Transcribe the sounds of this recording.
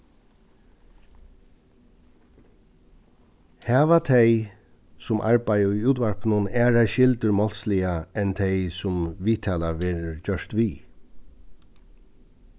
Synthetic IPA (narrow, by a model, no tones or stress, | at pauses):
hɛːʋat̪ʰɛj | sʊmʔa̰ɹbajijuːt̪ʋaɹpnʊnɛːɹaʃɪlt̪əɹmɔlslɪjaɛnt̪ʰɛjsʊmʋiːt̪ʰaːlaʋɛːɾəɹd͡ʒœʂt̪ʋiː